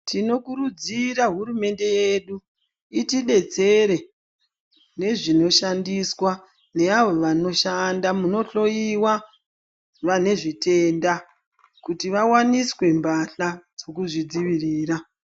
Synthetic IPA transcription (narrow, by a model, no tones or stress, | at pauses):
tʰino̞kuɾud͡ziɾaɦurume̞nde̞jeɗu | itiɗe̞t͡se̞ɾe̞ | ne̞ʐino̞ʃandiswa | ne̞aʋo̞ʋano̞ʃandamuno̞ɬo̞jiwa | ʋane̞ʐite̞nda | kutiʋawaniswe̞mbaɬad͡zo̞kuʐid͡ziʋiriːɾa